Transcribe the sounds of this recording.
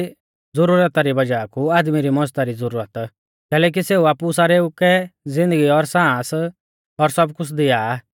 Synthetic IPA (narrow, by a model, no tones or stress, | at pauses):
d͡zʊɾuːɾət̪aɾibɐd͡ʒaːkuaːd̪miɾimɔ̃zt̪aɾid͡zʊɾuːɾət̪ | kɛːlɛːk̬iseːuaːpusaːɾeʊkɛzɪ̃nd̪əɡiɔɾsãːs | ɔɾsɐbkʊt͡sʰd̪ɪaː